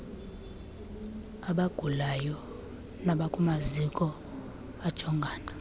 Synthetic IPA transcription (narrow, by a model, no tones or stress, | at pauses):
aɓaɡ̥ʱulajɔ | naɓakʼumazikʼɔ | ad̥ʒ̥ʱɔŋɡʱaːna